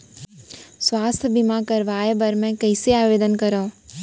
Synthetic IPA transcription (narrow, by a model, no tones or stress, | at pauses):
swaːst̪ʰbimãkɐɾʋaːebɐɾmɛ̃kɐɪseaːʋeːd̪ənkəɾa